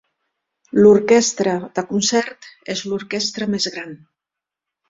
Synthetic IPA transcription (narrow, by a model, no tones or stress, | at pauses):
luɾkɛst̪ɾəðəkunsɛɾt̪ezluɾkɛst̪ɾəmezɣɾan